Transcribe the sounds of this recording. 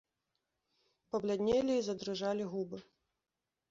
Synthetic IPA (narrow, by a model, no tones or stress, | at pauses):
pɐblʲad̪ʲnʲɛlʲiːzɐd̪ɾɨʐalʲiɣubɨ